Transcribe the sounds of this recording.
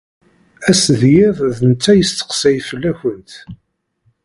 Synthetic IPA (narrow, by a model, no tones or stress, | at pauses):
æsðjɪðˤðənt͡sːæjəst̪ə̥qsæjfəlːæçənt̪